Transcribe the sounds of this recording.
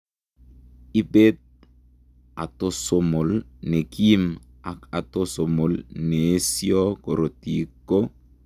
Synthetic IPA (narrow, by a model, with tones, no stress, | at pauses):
i˦be˦t̪̚ | a˨to˦somo˨lne˨ki˦m | a˨ka˨to˦so˨mo˨lne˨˦siɔ˦ko˨ɾo˨ti˨kːo˦